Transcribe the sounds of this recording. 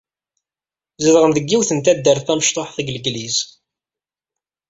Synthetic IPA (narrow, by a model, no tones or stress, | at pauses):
zəðʁənðəɡːiwθənt̪æd̪ːəɾθæməʃt̪ˤoħθəɡləɡliz